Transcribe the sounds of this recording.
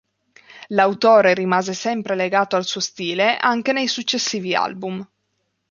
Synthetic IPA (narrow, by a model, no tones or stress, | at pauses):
lawt̪oːɾeɾimaːzesɛmpɾeleɡaːt̪oalsuost̪iːleʔaŋk̟enejsut͡ʃːesːiːvia̰lbum